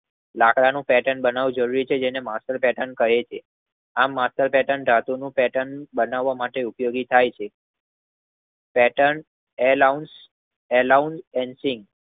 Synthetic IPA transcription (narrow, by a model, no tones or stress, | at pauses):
lakɽanũpɛʈəɳbənaʋũd͡ʒəɾuɾit͡ʃʰed͡ʒenemasʈəɾpɛʈənkəɦet͡ʃʰe | amːasʈəɾpɛʈəɳɖ̪ʱat̪unũpɛʈəɳbənaʋːamaʈeupjoɡit̪ʰajt͡ʃʰe | pɛʈəɳ | elauns | ɛlaunsɛnsiŋɡ